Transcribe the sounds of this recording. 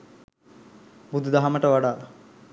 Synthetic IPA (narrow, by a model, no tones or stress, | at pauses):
bud̪ud̪aɦaməʈəʋaɖaːl